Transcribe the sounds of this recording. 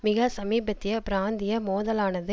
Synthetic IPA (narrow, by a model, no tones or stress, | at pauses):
mɪɣɐsɐmiːbɐt̪ːɪjɐpɪɾaːnd̪ɪjɐmoːðɐlaːnɐðɯ